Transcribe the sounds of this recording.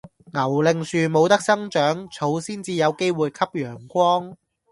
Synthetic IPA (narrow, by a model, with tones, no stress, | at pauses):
ŋɐ˨˩wlɪ˨ŋsyː˨mo˨˧wt̪ɐ˥k̚sɐ˥ŋt͡ʃœː˨˥ŋt͡sʰo˨˧wsiː˥nt͡siː˨˧jɐ˨˧wke˥jwuː˨jkʰɐ˥p̚jœː˨˩ŋkʷɔː˥ŋ